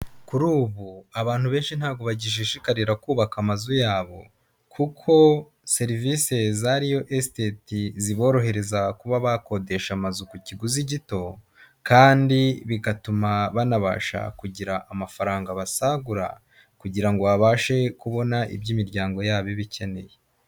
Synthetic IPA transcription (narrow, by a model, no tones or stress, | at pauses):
kuɾuːβuaβaːn̥huβe̞ːnʃin̥haːɡo̞βaɟiʒeʃikaɾiɾakuːβakamazujaːβo̞̰ | kʰukʰo̞ | se̞ɾivise̞zaɾijo̞ʔestetiziβo̞ːɾo̞ɦe̞ɾe̞zakuβaβako̞de̞ʃamazukuciɡuziɟito̞ | kaːndiβiɡatumaβanaβa̰ːʃa̰kuɟiɾaʔːmafaɾaːŋɡaβasaɡuɾa̰ | kuɟiɾaŋɡo̞βaβaːʃe̞kuβo̞naʔḭbɟiːmiɾɟaːŋɡo̞jaːβiβice̞ne̞̰je